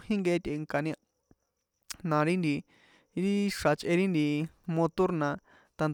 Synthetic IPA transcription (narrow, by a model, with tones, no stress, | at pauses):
hĩ˦ŋɡe˧t̪ʲe˧ŋka˨nĩ˧a˧ | nã˨ɾi˦nd̪i˧ | ɾi˦ʂa˨t͡ʃʔe˧ɾi˦nd̪i˧ | mõ˧t̪u˦ɾnã˧˨ | t̪a˧n